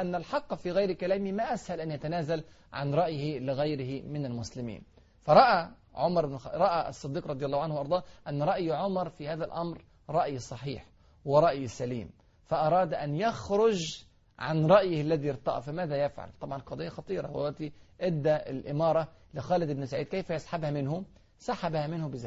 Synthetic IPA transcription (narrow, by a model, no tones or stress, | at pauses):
ʔanːalħɑqːfiːɣajɾkalaːmimaʔashalʔanjat̪anaːzal | ʕa̰nɾˤɑʔjɪhɪlɪɣajɾɪhɪmɪnalmʊslɪmḭːn | fɑɾˤɑʔa | ʕʊmɑɾˤɾˤɑʔaɑsˤːɨd̪ːiːqɾˤɑd̪ˤjɑlːhwʕanhwʔɑɾd̪ˤɑːʔanːɾˤɑʔjʕʊmɑɾˤfihaːðalʔamɾ | ɾˤɑʔjsˤɑħḭːħ | wɪɾˤɑʔjsalḭːm | faʔɑɾˤɑːd̪ʔanjaxɾʊd͡ʒ | ʕanɾˤɑʔjɪhalːaðiɾt̪ˤɑ̰ʔfamaːðajafʕa̰lt̪ˤɑbʕɑnqɑd̪ˤɑjːaxɑt̪ˤiːɾˤɑ̰wa̰waʔt̪iʔɪd̪ːaɪ̰lʔɪmɑːɾˤɑlɪxaːlɪd̪ɪbnɪsaʕiːd̪̚kajfajɪsˤħabhamɪnhʊ | saħabhamɪnhʊbɪzaː